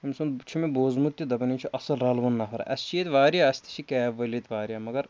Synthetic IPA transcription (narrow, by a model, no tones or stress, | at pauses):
imsunt͡ʃʰumiboːzmut̪ːjud̪ɐbɐniːt͡ʃʰuʔɐsɐlɾɐlʋunːɐfʰɐɾɐ̰ʔɐst͡ʃʰijet̪ʋaːɾijaɐst̪ʰi̥t͡ʃʰikɛːʋɐlʲet̪ʋaːɾʲijaːmɐɡɐɾ